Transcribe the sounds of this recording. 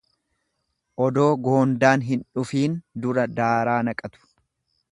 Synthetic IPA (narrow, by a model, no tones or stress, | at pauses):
ʔɔd̪o̞ːɡo̞ːnd̪aːnɦɪnᶑʊfiːnd̪ʊɾɐd̪aːɾaːnɐkʼɐt̪ʊ̥